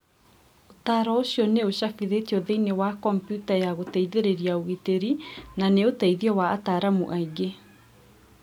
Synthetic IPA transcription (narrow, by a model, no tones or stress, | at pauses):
otaːɾɔoɕjɔneoɕakiðetiɔðeinewakɔmpjutajaɣotaiðeɾeɾiaoɣiteɾinaneotaiðiɔwaːtaɾamṵʔaiɡe